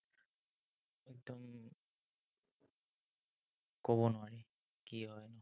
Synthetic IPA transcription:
ɛk̚d̪ɔm | kɔbɔnʊaɹi | kiɦɔjnɔ

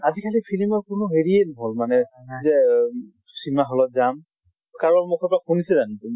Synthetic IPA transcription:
azikʰalipʰilimɔɹkʊnʊɦeɹienɔɦolmanɛzɛ | simaɦɔlɔtzam | kaɹɔnmʊkʰɔpɔɹaxunisɛzanitum

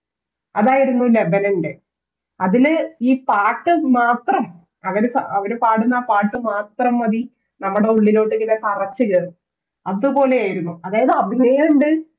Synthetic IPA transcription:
ɐðaːjiɾunːule̞bɐnɐɳɖe | ɐðiliːpaːʈːɨmaːt̪rɐm | ɐʋɐɾesɐ̰ɐʋɐɾepaːɽunːaːpaːʈːɨmaːt̪rɐmːɐði | nɐmːuɽe̞uɭːilo̞ːʈːeŋɡiletɐrɐt͡ɕːɨɣɐðɨ | ɐððɨpo̞ːle̞aːjiɾunːuɐðaːjɐðɨɐbʱinɐjuɳɖɨ

